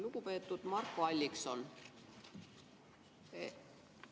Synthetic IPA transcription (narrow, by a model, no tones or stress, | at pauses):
luɡ̥upe̞ːt̪ːˑud̪̥mɑrkːoɑlʲːikso̞n